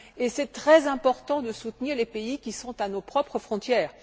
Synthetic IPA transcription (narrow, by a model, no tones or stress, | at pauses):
esɛt̪χɛzɛ̃pɔʁt̪ɑ̃d̪əsut̪niʁlepeikʲisɔ̃t̪anopχɔpχəfχɔ̃t̪jɛːʁ